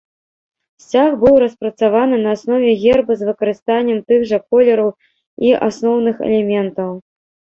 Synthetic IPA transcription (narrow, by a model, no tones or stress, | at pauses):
sʲt͡sʲaxbɨwɾɐspɾɐt̪savanɨnɐːsnɔvʲɛɣʲɛrbɨzvɨkɐɾɨst̪anʲːɛmt̪ɨɣʐɐkɔlʲɛɾɐw | iʔa̰snɔwnɨxɛ̰lʲɛmʲɛnt̪ɐw